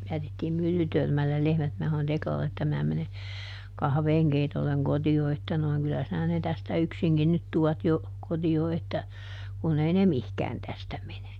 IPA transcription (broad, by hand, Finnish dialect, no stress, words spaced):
jætetːiːm mylːytørmælːel lehmæt minæ sɑnon teklɑlːe etːæ mæː mene kɑhʋeːŋkeitolːeŋ kotio etːæ noi̯ŋ kylːæ sinæ ne tæstæ yksiŋkin nyt tuɑt jo kotio etːæ kun ei ne mihkæːn tæstæ mene